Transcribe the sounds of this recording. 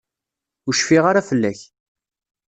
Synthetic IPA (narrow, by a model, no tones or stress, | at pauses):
ʊʃfiʁaɾafəlːæç